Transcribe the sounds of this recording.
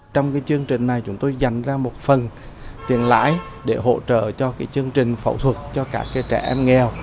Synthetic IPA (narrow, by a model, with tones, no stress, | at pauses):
t͡ɕɔ˧wŋ͡mkaː˨˦jt͡ɕɨ˧əŋt͡ɕï˨˩ŋ̟na˨˩jt͡ɕʊ˨˧˥ŋ͡mt̪o˧jza˨˩jŋ̟zaː˧mo˨˩t̚fə˨˩n | t̪ḭ˨˩ənla̰ː˧˥j | ɗe˧˩ɦo̰˧˥t͡ɕə̰ː˧˨t͡ɕɔ˧kaː˨˦˥jt͡ɕɨ˧əŋt͡ɕï˨˩ŋ̟fə̰˧˩wt̪ʰwə˨˩t̚t͡ɕɔ˧kaː˦˥kːaː˨˦jt͡ɕɛ˧˩ʔɛ˧mŋɛ˨˩w